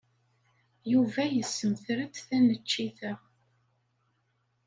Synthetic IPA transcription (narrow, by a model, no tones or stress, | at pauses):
juvæjəsːəmθɾəd̪θænət͡ʃːiθə